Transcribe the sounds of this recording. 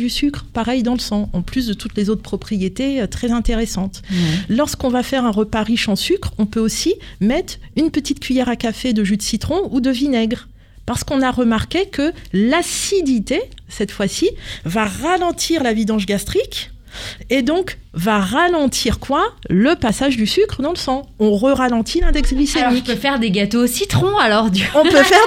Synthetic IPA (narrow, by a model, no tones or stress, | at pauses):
d̪ysykχpaʁɛjd̪ɑ̃ləsɑ̃ɑ̃plys̬d̪ət̪ut̪lezot̪χəpχɔpχijet̪eøt̪χɛzɛ̃t̪eʁesɑ̃t̪lɔʁskɔ̃vafɛʁɛ̃ʁəpaʁiʃɑ̃sykχɔ̃pøosimɛt̪χynpət̪it̪̚kʲɥijɛʁakafed̪əʒyt̪sit̪χɔ̃ud̪əvinɛɡʁ | paʁsə̥kɔ̃naʁəmaʁkekəlasid̪it̪esɛt̪fwasivaʁalɑ̃t̪ʰiʁlavid̪ɑ̃ʒɡast̪χik | ed̪ɔ̃k | vaʁalɑ̃t̪ʰiʁkwaləpasaʒd̪ysykχəd̪ɑ̃ləsɑ̃ɔ̃ʁəʁalɑ̃t̪ʰilɛ̃d̪ɛksɡlisemikøfɛʁd̪eɡat̪osit̪χɔ̃alɔʁd̪ɔ̃pøfɛʁ